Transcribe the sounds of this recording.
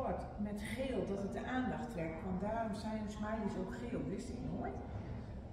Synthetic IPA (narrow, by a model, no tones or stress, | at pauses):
ɔt | mɛtχeːlˠdɔtət̚dəʔaːndɑχtrɛk̚tʋɔndaːrɔmsɛjnsmɛjdəsowkχeːlˠʋɪstɪknoə